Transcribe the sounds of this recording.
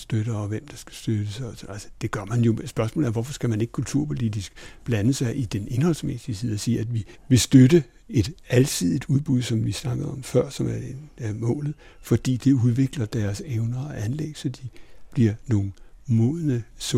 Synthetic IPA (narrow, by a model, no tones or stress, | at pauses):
sd̥øɾ̥ɐɒ̽ʋem̰d̥ɑ̈sɡ̥æ̥sd̥ød̥əsɒsnælsə̥d̥e̝ɡ̥ɶɐ̰mænjosb̥ɶɐsmɔ̰l̩ˠæɐʋɒfɒ̽sɡ̥æmæne̝ɡ̥kʰult͡sʰuɐ̰pʰo̝lid̥isɡ̥b̥lænəsɑ̈ɪʔid̥ene̝nhɒ̽lsmḛsisið̰ˠɒsiːæd̥ʋiʋe̝sd̥ødə | e̝d̥ælt͡sʰið̰ˠid̥uð̞ˠb̥uðˠsɒ̽mʋisnɑ̈ɡ̥əð̩ˠɒ̽mfɶɐ̰sɒ̽mædeæmɔ̰̽ːlð̞̩ˠ | fɒ̽d̥ḭːd̥e̝uð̞ˠʋe̝ɡ̥lɐd̥æɐseʊnɐɒʔænleɡ̥sɒ̽d̥ib̥liɐno̝ːn̩mɔ̰ːlnəs